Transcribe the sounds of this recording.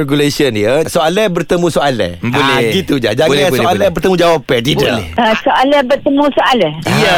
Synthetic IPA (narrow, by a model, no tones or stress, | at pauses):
rɛɡulesənjəsoalɛbərt̪əmũsoalɛ̰hbolɛɡit̪ud͡ʒa̰d͡ʒaɡasoalɛbərt̪əmũd͡ʒawapɛt̪idənḭəsoʔalɛbərt̪əmũsoʔalɛiə